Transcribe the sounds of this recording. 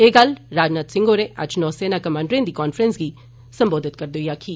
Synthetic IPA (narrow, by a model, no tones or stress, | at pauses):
eːɡəlɾaːd͡ʒnaːt̪sɪ̃ŋɡoːɾẽːʔɐ̰d͡ʒnɔːseːnaːkəmãːɳɖɾẽnd̪iːkɔːnfɾənsɡiː | sə̃mboːd̪ɪt̪̚kəɾd̪oːijaːkʰiː